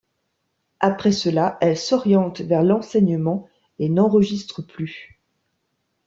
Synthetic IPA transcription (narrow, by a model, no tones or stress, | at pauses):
apχɛsəlaʔɛlsɔʁjɑ̃t̪vɛʁlɑ̃sɛɲəmɑ̃ | enɑ̃ʁəʒist̪χəply